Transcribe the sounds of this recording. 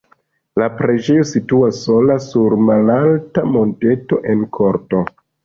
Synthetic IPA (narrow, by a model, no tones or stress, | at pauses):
lapɾe̞d͡ʒe̞jo̞situasːo̞lassuɾmalaltamo̞nte̞to̞ʔe̞nkʰo̞ɾto̞